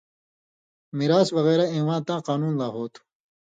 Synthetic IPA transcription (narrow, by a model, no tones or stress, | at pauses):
miɾaːswɐɣeːɾaẽːwãːnt̪ãːqaːnuːnlaːɦoːt̪ʰu̥